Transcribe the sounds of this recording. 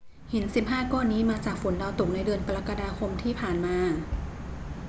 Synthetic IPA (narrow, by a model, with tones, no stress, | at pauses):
hi˩˦nsi˨˩p̚ɦaː˥˩kɔː˥˩nːiː˦˥maː˧t͡ɕaː˨˩k̚fu˨˩˦ndɔ˧t̪u˨˩k̚na˧jdɯ˧ənpa˧la˦˧˥ka˧daː˧kʰo˧mt̪ʰiː˥˩pʰaː˨˩nmaː˧